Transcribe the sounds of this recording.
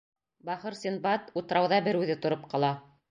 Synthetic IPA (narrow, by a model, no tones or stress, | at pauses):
bɑχɤɾsinbɑt̪ut̪ɤ̆ɾɑwðɑbɘɾʉðɘt̪ŏɾopqɑlˠɑ